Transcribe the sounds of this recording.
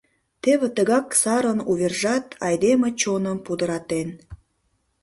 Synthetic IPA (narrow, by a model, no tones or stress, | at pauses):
t̪eβĕt̪əɣɑksɑɾənuβerʒɑt̪ʰɑjd̪emet͡ɕonəmpud̪əɾɑt̪en